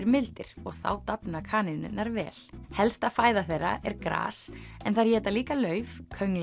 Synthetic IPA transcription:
ɾmɪlt̪ɪɾ̥ɔɣθa̰wt̪apnakʰaːnɪnʏ̰nːaɾvɛ̰ːl̥hɛlst̪afaːjðaθejrːa̰ʔɛɾkɾa̰ːsɛnθaɾjɛːt̪aliːkalœːɥvkʰœɥŋl

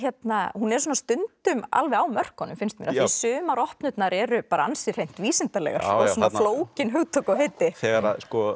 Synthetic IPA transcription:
çjɛt̪nahunɛɾsɔːnast̪ʏnt̪ʏma̰lvɛawmœr̥khɔnʏmfɪnst̪mɪnaθisʏːmaɾɔhpnʏt̪naɾɛɾʏpaːɾaansɪr̥ejn̥t̪viːsɪnt̪alɛ̰ɣa̰ɾ̥ɔsɔnanfloːwcɪnɦœɣt̪ʰokawɦejt̪ɪθɛːɣaɾaskɔ

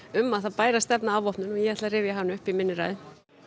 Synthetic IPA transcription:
ʏmːaðθaðpaːjɾast̪ɛpnaavɔhpnʏnɔjɛɛht̪laɾɪːvjaɦavnɪʏhpimɪnːɪɾa̰ːjðɪ

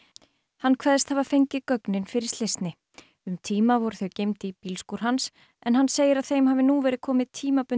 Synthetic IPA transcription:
hanːkʰvɛːðst̪haːvafejɲcɪkœknɪnfɪɾɪ̥ɾ̥t̪lɪst̪nɪ | ʏmt̪ʰiːmavɔɾʏ̥θœɥcejmt̪ɪpiːlskuɾ̥ɦans | ɛnɦanːseːjɪɾaðθejmɦaːvɪnuvɛːɾɪkʰɔːmɪðt̪ʰːiːmapʏ

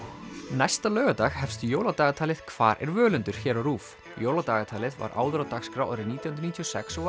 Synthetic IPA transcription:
najst̪alœːɣat̪axhɛfst̪ʏjoːwlat̪aːɣat̪ʰaːlɪð̥kʰv̥aːɾʔɛ̰ɾvœːlʏnt̪ʏɾ̥çɛːɾawɾuːf | joːwlat̪aːɣat̪ʰaːlɪðva̰ɾʔa̰ːwðɾat̪axskɾawʔaɾɪniːt̪ʰj̪nɾniːt̪ʰiosɛ̰ksɔ

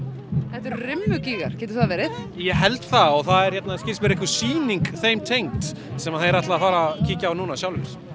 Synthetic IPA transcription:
θɛht̪ʏɾrɪmːʏciːɣa̰ɾ̥cɛːt̪ʏɾ̥θaðvɛːɾɪθ | jɛɦɛlt̪θaɔɣθaðɛɾ̥çjɛt̪naðscɪlsmɛɾɪhkvʏ̥siːniŋkθejmt̪ʰejŋt̪ | sɛmaðθeɾat̪laafaːɾacʰiːcaːwnuːnasjawlvɛɾ̥

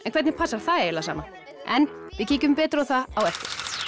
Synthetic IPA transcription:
ɛnkʰvɛt̪nɪpʰasaɾ̥θaɛjɛlasa̰ːma | ɛnvɪðciːcʏmpɛːt̪ɾawθaawɛfc̪ɪɾ̥

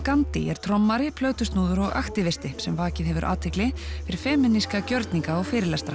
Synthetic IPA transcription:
kant̪ɪ̰ɛɾ̥t̪ʰɾɔmːaɾɪpʰlœːɥt̪ʏst̪nuːðʏɾɔɣa̰xt̪ɪvɪst̪ɪhsɛmvaːcɪðɦɛvʏɾʔa̰ːt̪ʰvɪklɪffɪɾɪɾ̥fɛːmɪnːiskacœɾt̪niŋkaɔɣfɪːɾɪlɛst̪ɾa

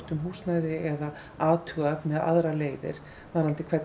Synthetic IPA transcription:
t̪ʏmɦuːsnaːjðɪɛða | aːt̪ʰuavmɛða̰ðɾaleːjðɪ̰ɾ̥ | vaɾant̪ɪkʰvɛt̪

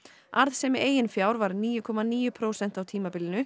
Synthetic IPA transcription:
aɾðsɛmɪeːjɪnfjaːwɾvaɾniːjʏkʰɔːmaniːjʏpʰɾoːwsɛn̥t̪awt̪ʰiːmapɪlɪnʏ

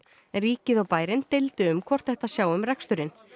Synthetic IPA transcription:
riːcɪðɔwpaːjɾɪnt̪ɪlt̪ʏʏmkʰvɔr̥t̪θɛht̪asjaːwʏmrɛkst̪ʏɾɪn

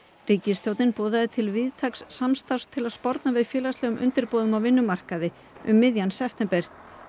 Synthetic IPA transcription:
riːcɪst̪jowt̪nɪnpoːðaðɪt̪ʰɪlvɪðt̪ʰaksːamst̪awst̪ʰɪlaðspɔɾt̪navɪðfjɛːlast̪lɛɣʏmʔʏ̰nt̪ɪɾpoːwðʏmawvɪnːʏmar̥kaðɪ | ʔʏ̰mːɪðjansɛft̪ʰɛmpɛɾ̥

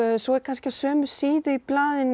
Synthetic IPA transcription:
sɔɛɾ̥kʰanscɪasœːmʏ̥siːðʏiplaːðɪnː

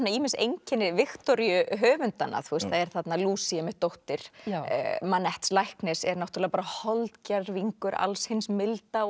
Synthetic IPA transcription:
nːaiːmɪnsejɲcɛnːɪvɪxt̪ɔɾjʏɦœːvʏnt̪anːa̰θust̪θaðɛɾ̥θat̪naluːsiɛmɪt̪ːowht̪ɪɾ̥̰ | manːɛht̪slajhknɛsɛɾnɔht̪ɾlɛɣapaɾahɔlt̪carviŋkʏɾa̰lshɪnsmɪlt̪a

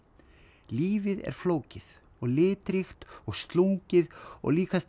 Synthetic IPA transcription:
liːvɪðɛ̰ɾ̥floːwcɪð | ɔɣlɪːt̪ɾixt̪ɔɣst̪luŋcɪðɔ̰ɣliːkast̪

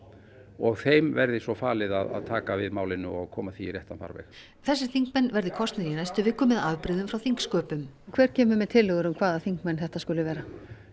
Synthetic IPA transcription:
ɔɣθejmvɛɾðɪsɔfaːlɪða̰ða̰ðt̪ʰaːkavɪðmaːwlɪnːʏɔɣkʰɔːmaθiːrjɛht̪anfa̰ɾvɛ̰x | θɛsːɪθiŋkmɛnːvɛɾðɪkʰɔst̪nɪɾinajst̪ʏvɪhkːʏmɛðavpɾɪðʏmfɾawθiŋkskœːpʏmkʰvɛːɾ̥cɛːmʏmɛt̪ʰɪlːɛɣʏɾʏmkʰv̥aːðaθiŋkmɛnθɛht̪askʏlɪvɛːɾa

